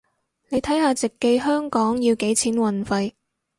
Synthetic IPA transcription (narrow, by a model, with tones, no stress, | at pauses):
ne˨˧jt̪ʰɐ˨˥jhaː˧t͡sɪ˨kːe˧jɦœː˥ŋkɔː˨˥ŋjiː˧wke˨˥jt͡sʰiː˨˥nwɐ˨˩nfɐ˧j